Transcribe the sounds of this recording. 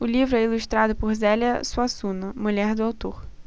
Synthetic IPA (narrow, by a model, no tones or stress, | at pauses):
ʊlʲivɾʊɛilʲust̪ɾad̪ʊpʊɣzɛlʲɐsuasunʊmʊlʲɛɦd̪ʊawt̪uχ